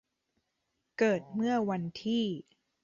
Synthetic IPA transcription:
kɤː˨˩t̪̚mɯ˥˩ɐwa˧nt̪ʰiː˥˩

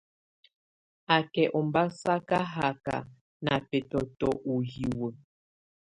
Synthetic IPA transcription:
a˨kɛ˨ʔɔ˨mba˦sa˦ka˦ɦa˨ka̰˨ | na˨pɛ˨tɔ˨tɔ˨ʔu˨ji˨wə˨

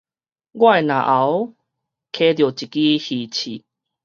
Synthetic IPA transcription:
ɡwa˥˨jnã̰˨˩ʔa˨˦w | kʰe˧˦t̪jo˨˩t͡ɕi˨ki˦hi˨˩t͡ɕʰi˨˩

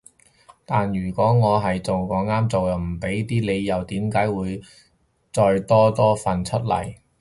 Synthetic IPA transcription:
t̪aː˨njyː˨˩kʷɔː˨˥ŋɔː˨˧ɦɐ˨jt͡so˨wkɔː˨˧˥ŋaː˥mt͡so˨wɐ˨m̩˨˩pe˨˥jt̪iː˥le˨˧jjɐ˨˧wt̪iː˨˥mkaː˨˥jwuː˨˧j | t͡sɔː˧jt̪ɔː˥t̪ɔː˥fɐ˨nt͡ʃʰɵ˥t̚lɐ̰˨˩j

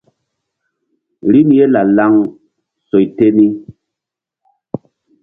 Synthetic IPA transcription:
ɾi˦mje˦la˨la˦ŋ | so˨jte˦ni˦

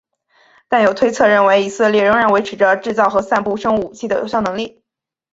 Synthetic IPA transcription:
t̪a˥˩njo˨˩ʊt̪ʰwe˥ɪt͡sʰɤ˥˧ɻə˥˩nwe˧˥ɪi˨˩sɤ˥˧ljɛ˥˩ɻɤ˧˥ŋɻa˧˥nwe˧˥ɪʈ͡ʂʰɻ̩˧˥ʈ͡ʂə˧ʈ͡ʂɻ̩˥˧t͡sɑ˥˩ʊxɤ˧˥sa˥˧npu˥˩ʂɤ˥ŋu˨˩t͡ɕʰi˥˩d̪ə˩jo˨˩ʊɕjɑ˥˩ʊnɤ˧˥ŋli˥˩

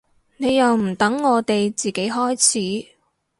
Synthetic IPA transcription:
ne˨˧jjɐ˨wm̩˨˩t̪ɐ˨˥ŋːɔː˨˧t̪e˨jt͡siː˨ke˨˥jɦɔː˥jt͡sʰiː˨˥

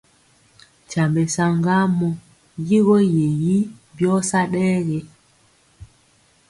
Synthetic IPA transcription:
t͡ʃa˨mbe˨sa˨ŋɡa˦mɔ˨ | ji˦ɣɔ˦je˨ji˦bjɔ˦sa˦ɗɛː˦ɣe˨

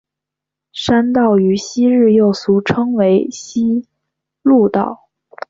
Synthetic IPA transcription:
ʂa˥nt̪ɑ˥˩ʊy˧˥ɕi˥ɻ̩˥˧jo˥˩ʊsu˧˥ʈ͡ʂʰɤ˥ŋwe˧˥ɪɕi˥ | lu˥˧t̪ɑ̰˥˩ʊ

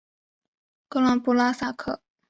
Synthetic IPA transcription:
kɤ˥la˥ŋpu˥la˥sa˥˩kʰɤ̰˥˩˦

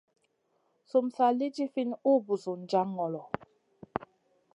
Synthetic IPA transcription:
su˨msa˨li˦d͡ʒi˦fi˦nu˦bu˨su˨n̩˨d͡ʒa˦ŋɔ˨lɔ˨

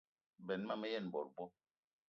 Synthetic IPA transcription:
bɛ˨nma˦˨mɛ˦jɛ˦˨n˨bɔ˨ɾbɔ˦

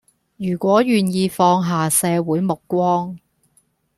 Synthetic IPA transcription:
jyː˨˩kʷɔː˨˥jyː˨njiː˧fɔː˧ŋɦaː˨sɛː˨˧wuː˨˥jmʊ˨kːʷɔː˥ŋ

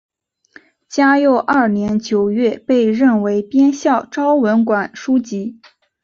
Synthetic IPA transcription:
t͡ɕja˥jo˥˧ʊʔa˞˥˩njɛ˧˥nt͡ɕjo˨˩ʊɥɛ˥˧pe˥˧ɪɻə˥˩nwe˧˥ɪpjɛ˥nɕjɑ˥˩ʊʈ͡ʂɑ˥ʊwə˧˥nkwa˨˩nʂu˥t͡ɕi˧˥

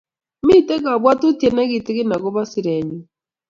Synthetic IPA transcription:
mi˦˨tɛ˦ka˨βwa˦tu˦ti˨˦ɛ˨na˦ɣi˨tɪ˦ɣi˦na˨ɣɔ˦βa˦si˨ɾɛ˨ɲu˨

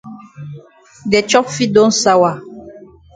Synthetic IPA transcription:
dɛ˨t͡ʃɔ˦pfi˦dɔ̃˦n̩˦sa˦wa˨

